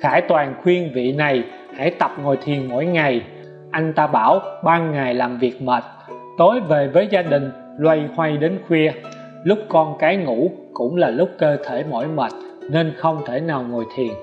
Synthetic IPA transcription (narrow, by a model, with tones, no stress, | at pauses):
xʰaː˧˩jt̪waː˨˩nxwi˧ənvḭ˧˨na˨˩j | ha̰˧˥jt̪ə˨˩p̚ŋo˨˩jt̪ʰi˨˩ənmo̰˧˥˨jŋa˨˩j | ʔa˧jŋ̟t̪aː˧ɓaː˧˩wɓaː˧ŋa˨˩jlaː˨˩mvi˨˩ək̚məː˨˩t̚ | t̪o˨˦jve˨˩vəː˨˦jzaː˧ɗï˨˩ŋ̟ | lwa˧jhwa˧jɗe˨˦nxwi˧ə | lʊ˦˥k͡p̚kɔ˧nkaː˨˦jŋṵ˧˥kʊ̰˧˥ŋ͡mlaː˨˩lʊ˦˥k͡p̚kəː˧t̪ʰe˧˩mo̰˧˥˨jməː˨˩t̚ | ne˧nxə˧wŋ͡mt̪ʰe˧˩naː˨˩wŋo˨˩jt̪ʰi˨˩ən